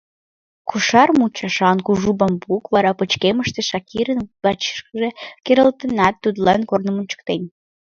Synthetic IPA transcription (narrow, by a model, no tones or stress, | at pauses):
kʰuʃɑrmut͡ɕɑʃɑnkuʒubɑmbukβɑɾɑpət͡ɕkeməʃt̪eʃɑkiɾənβɑt͡ɕi̥ʃkəʒekeɾəlt̪ə̆nɑt̪ːud̪lɑnkornəmunt͡ɕə̥k̚t̪enʲ